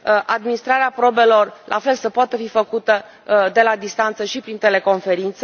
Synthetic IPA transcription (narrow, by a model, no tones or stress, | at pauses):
ʔad̪minist̪ɾaɾeapɾo̞be̞lo̞rlʔa̰fe̞lsəpoat̪əfifəkut̪ə | d̪e̞lad̪ist̪ant̪səʃipɾint̪e̞le̞ko̞nfe̞ɾint̪se